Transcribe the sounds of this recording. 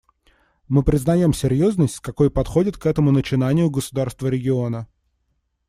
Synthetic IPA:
mɨpɾʲɪznɐjo̞msʲɪɾʲjo̞znəsʲtʲkɐko̞jpɐt̪xo̞dʲɪt̪kɛt̪əmʊnət͡ɕɪnanʲɪjʊɡəsʊd̪arst̪vəɾʲɪɡʲɪo̞nə

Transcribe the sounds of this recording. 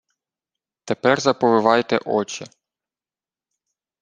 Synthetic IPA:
t̪epɛrzɐpɔʋɪʋɑjt̪ɛ̰ʔɔt͡ʃɪ

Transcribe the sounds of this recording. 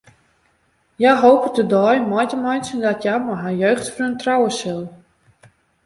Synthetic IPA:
jajɦowpədədɔjmɔjtəmɔjnsəndɔtjajmɔɦajøɥxtfərəntrawəsɵlˠ

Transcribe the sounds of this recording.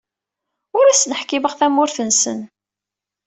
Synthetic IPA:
ʊɾæsnəħkɪbəʁθæmːʊɾθənsə̰n

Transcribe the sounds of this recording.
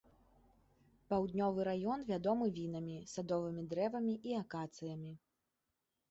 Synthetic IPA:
pawd̪nʲɔvɨɾajɔnvʲad̪ɔmɨvʲinɐmʲisad̪ɔvɨmʲid̪ɾɛvɐmʲiʔiakat̪sɨjɐmʲi

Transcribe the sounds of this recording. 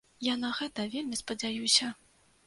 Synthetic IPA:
janɐɣɛt̪ɐvʲelʲmʲispɐd͡zʲajusʲɐ

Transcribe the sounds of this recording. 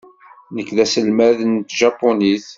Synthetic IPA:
nəkːðæsəlmæðnt̪ʒɑpːoniθ

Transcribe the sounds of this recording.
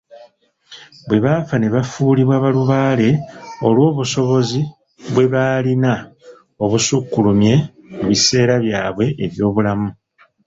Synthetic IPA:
βwe̞βafane̞βafuːliβwaːβaluβaːle̞o̞lwo̞ːβuso̞βo̞zi | βwe̞βaːlina | o̞βusukːulumje̞ | muβise̞ːɾaβjaːβwe̞ʔeβjo̞ːβulamu

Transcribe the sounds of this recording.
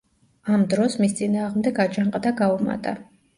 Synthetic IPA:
amd̪ɾɔsmist̪sʼinaːʁmd̪ɛɡad͡ʒaɴqʼd̪aɡauma̰t̪ʼa

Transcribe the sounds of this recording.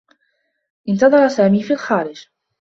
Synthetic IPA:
ʔɪnt̪ɑðˤɑɾˤɑsaːmiːfiːlxaːɾɪd͡ʒ

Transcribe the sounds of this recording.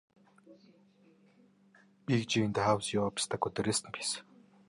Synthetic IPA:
pikt͡ɕint̪aɦawsjɔːpi̥st̪ʰăkːɵt̪ĕɾeːsə̆npʲʰi̥s

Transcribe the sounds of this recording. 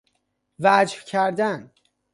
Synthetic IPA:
væd͡ʒhcʰæɾd̪æn

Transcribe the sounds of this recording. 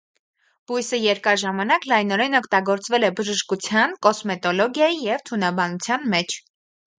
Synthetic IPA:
b̥ujsəjɛɾkɑɾʒɑmɑnɑklɑjnɔɾɛnɔkʰt̪ɑɡɔɾt͡svɛlɛbəʒəʃkut͡sʰjɑnkɔsmɛt̪ɔlɔɡjɑjijɛvt̪ʰunɑbɑnut͡sʰjɑnmɛt͡ʃʰ

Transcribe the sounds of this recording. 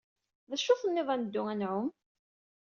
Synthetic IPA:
ðæʃːʊθənːɪðˤænəd̪ːʊænʕʊm

